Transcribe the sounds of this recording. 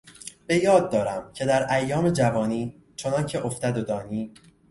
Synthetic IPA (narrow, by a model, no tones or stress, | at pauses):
b̥e̞jɒːd̪̚ːɒːɾæmcʰe̞d̪æɾʔæjːɒːme̞d͡ʒævɒːniː | t͡ʃʰonɒncʰe̞ʔoft̪æd̪od̪ɒːniː